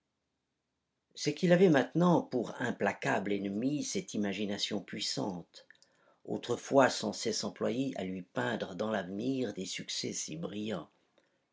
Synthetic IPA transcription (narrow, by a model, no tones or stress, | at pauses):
səkilavɛmɛ̃t̪nɑ̃puʁɛ̃plakablɛnmisɛt̪imaʒinasjɔ̃pɥisɑ̰̃t̪ | o̰t̪χəfwasɑ̃sɛsɑ̃plwajeʔa̰lɥipɛ̃d̪ʁəd̪ɑ̃lavniʁd̪esyksɛ̰sḭbʁijɑ̃